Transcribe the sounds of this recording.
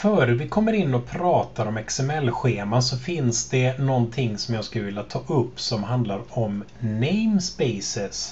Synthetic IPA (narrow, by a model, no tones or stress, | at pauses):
fœɾvɪkʰɔmːəɾɪnːɔpʰɾɑːt̪aɾɔmɛksɛmɛlːɧeːmasɔfɪnsd̪ɛnɔnt̪ʰɪŋːsɔmjɑːɡskɵləvɪlːat̪ʰɑːɵpːsɔmɦand̪laɾɔmnɛɪmspɛːsɪs